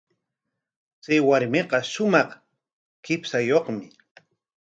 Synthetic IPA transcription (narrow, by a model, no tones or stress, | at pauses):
t͡sajwaɾmeqɑʃʊmɑχ | kɪpsajoχmɪ